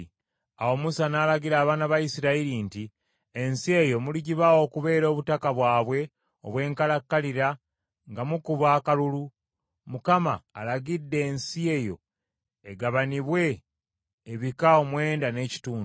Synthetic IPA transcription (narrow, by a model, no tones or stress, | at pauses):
awo̞musanaːlaɡiɾaːβaːnaβajisiɾaiɾinti | e̞nsie̞jo̞muliɟiβawo̞ːkuβe̞ːɾo̞ːβutakaβwaːβwe̞ | o̞̰βwe̞ːŋkalakːaliɾa | ŋɡamukuβaːkalulu | mukama̰ːlaɟidːe̞ːnsie̞jo̞̰ | e̞ɡaβaniβwe̞ː | βikao̞mwe̞ːndane̞ːci̥tuːn